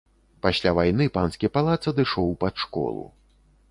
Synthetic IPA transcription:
pasʲlʲavajnɨpanskʲijɐpalˠat̪sɐd̪ɨʂɔwpat̪ʂkɔ̰lˠṵ

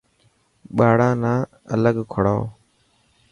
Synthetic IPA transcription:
ɓaːɽãːnaː | ə̰ləɡkʰəɽaː

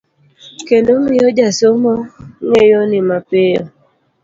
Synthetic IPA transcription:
kendoŋijod͡ʒasomɔŋejɔnɪmapejɔ̰

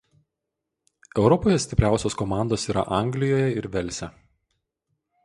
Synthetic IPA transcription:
ɛʊɾɔpoːjɛsʲt̪ʲɪpʲɾʲæˑʊsʲoːskɔmɑˑnd̪oːsiːɾɐ̰ʔɑˑŋʲɡlʲɪjoːjɛɪɾʋʲɛlʲˑsʲɛ

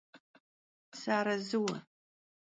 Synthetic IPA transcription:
saːɾɐzɨwɐ̰

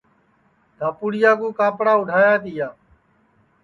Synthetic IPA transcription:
d̪ʱaːpuːɽɪjaːk̬ũːkaːpɽaːʊɖʱaːjaːt̪iːjaː

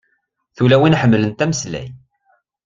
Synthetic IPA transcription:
θulæwinħəmːlənt̪æməslæ̰j

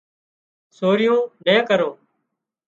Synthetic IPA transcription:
soːɾɪjõːnẽːkəɾoː

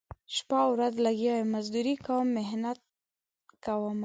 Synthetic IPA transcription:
ʃpawɾazlaɡamazd̪uɾikawəmːɪɦnat̪̚ | kawəm

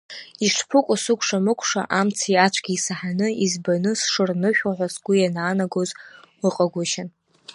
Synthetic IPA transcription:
iʂpʰɨkʷʼʊsɨkʷʰʼʂamɨkʷʰʼʂa̰ʔamt͡sʰiat͡ʃʷʰɡʲiisaħanɨizbanɨsʂɨrnɨʃᶣaħʷasɡ̥ʷʊjanaːnaɡozwɨqʼaɡʷaʃan

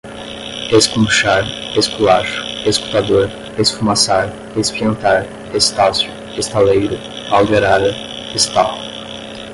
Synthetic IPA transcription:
eskũʃaɾeskulaʃʊ̥esku̥t̪ad̪oɾ | esfumasaɾ | espiẽnt̪aɾ | est̪asjʊ | est̪alejɾʊ | awd̪eɾad̪ɐ | est̪al

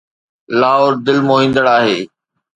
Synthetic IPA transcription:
laːɦoːɾd̪ɪlmoːɦĩːn̆d̪əɽaːɦeː

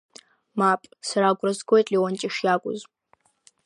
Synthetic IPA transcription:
mapʼsaɾaːɡʷʼrɐzɡʷojtʼliwɔnt͡ʃʼɪʂjaːkʷʼʊ̰z

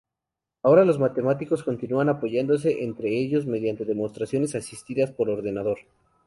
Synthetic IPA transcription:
ao̞ɾalo̞zmat̪e̞mat̪iko̞sko̞nt̪inuanapo̞ʝand̪os̬e̞ʔent̪ɾe̞eʝo̞zme̞ðjant̪e̞ðe̞mo̞st̪ɾasjo̞ne̞sasist̪iðaspo̞ɾlo̞ɾðe̞naðo̞ɾ

